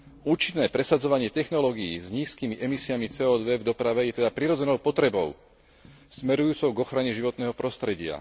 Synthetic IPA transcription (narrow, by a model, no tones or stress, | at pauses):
uːt͡ʃinːɛːpɾɛsad͡zɔʋaɲɪɛt̪ɛxnɔlɔːɡijḭːzɲiːskiːmiʔɛmisiamit͡sɛːɔːd̪ʋɛvd̪ɔpɾaʋɛjɛt̪ɛd̪apɾiɾɔd͡zɛnɔʊpɔt̪ɾɛbɔʊ | smɛɾujuːt͡sɔʊɡɔxɾaɲɛʒiʋɔt̪nɛːɦɔpɾɔst̪ɾɛɟɪa̰